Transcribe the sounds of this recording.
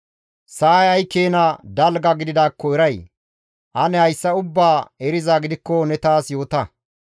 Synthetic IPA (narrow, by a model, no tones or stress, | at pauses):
sɐːjɐjkːeːnɐd̪ɐlɡɐɡɪd̪ɪd̪aːkːɔɛɾɐj | ʔɐnɛhɐjsːɐʊbːaːɛɾɪzaɡɪd̪ɪkːɔnɛt̪aːsjo̞ːt̪ɐ